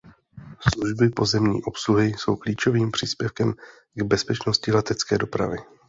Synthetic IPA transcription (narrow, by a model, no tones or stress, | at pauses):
sluʒbɪpo̞zɛmɲḭːʔo̞psluɦɪso̞wkliːt͡ʃo̞viːmpr̥iːspjɛfkɛm | ɡbɛspɛt͡ʃno̞scɪlɛt̪ɛt͡skɛːdo̞pɾa̰vɪ